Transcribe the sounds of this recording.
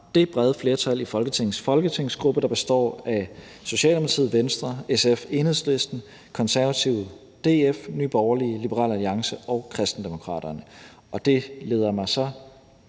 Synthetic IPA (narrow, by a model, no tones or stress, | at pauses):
d̥e̝b̥ʁɛð̞ˠəfle̝ɐt͡sʰæl̰ifɒ̽lɡ̥ət͡sʰe̝ŋ̰n̩sfɒ̽lɡ̥ət͡sʰe̝ŋ̰sɡ̥ʁub̥əɾ̥ɑ̈b̥e̝sd̥ɒ̰ːæ | so̝ɕɛ̰ːldemˠt͡sʰið̰ˠʋensd̥ʁɐesefe̝ːnhḛsle̝sd̥n̩ | kʰɒ̽nsæɐʋæt͡sʰiʊ | d̥e̝ːefny̰ːb̥ɒʊɐliəlib̥əʁɑ̰̈ːlæliɑ̈ŋsəɒʊkʰʁɛsd̥n̩d̥emo̝kʰʁɑ̰̈ːd̥ɐnə | ɒ̽d̥e̝le̝ːðˠɐmɑ̈ɪsɒ̽